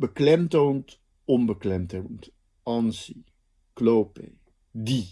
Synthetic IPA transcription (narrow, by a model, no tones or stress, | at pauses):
bəklɛmtownt | ɔnbəklɛmtownt | ɑnsi | klowpḛ | di